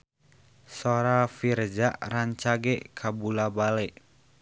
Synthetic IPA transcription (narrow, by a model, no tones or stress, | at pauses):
soɾafird͡ʒaʔraɲt͡ʃaɡɛkʰabulabalɛʔ